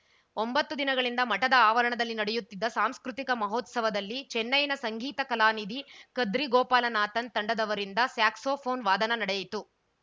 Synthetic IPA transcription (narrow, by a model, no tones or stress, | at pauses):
ombɐt̪ːud̪inɐɡɐɭind̪ɐmɐʈɐd̪ɐaːʋɐɾɐɳɐd̪ɐlːinɐɽɛjut̪ːid̪ːɐsaːmskɾut̪ikɐmɐɦoːt̪sɐʋɐd̪ɐlːit͡ʃɛnːɐjnɐsɐŋɡiːt̪ɐkɐlaːnid̪ikɐd̪ɾiɡɔːpaːlɐnaːt̪ɐnt̪ɐɳɖɐd̪ɐʋɐɾind̪ɐsjaːksoːpʰoːnʋaːd̪ɐnɐnɐɽɛjit̪u